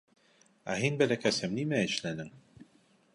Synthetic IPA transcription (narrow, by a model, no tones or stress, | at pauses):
æ̰ɦinbælækæsæmnimæɘ̆ʃlænɘŋ